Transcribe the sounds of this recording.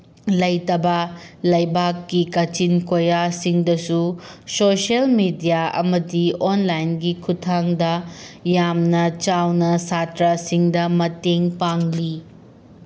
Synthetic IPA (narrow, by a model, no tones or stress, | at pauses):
lɐjtɐbɐlɐjbakːikɐt͡ʃinkojasiŋdɐsusoselmidijaɐ̰mɐdionlajnɡikʰutʰaŋdɐjamnɐt͡ʃawnɐsatɾasiŋdɐmɐteŋpaŋli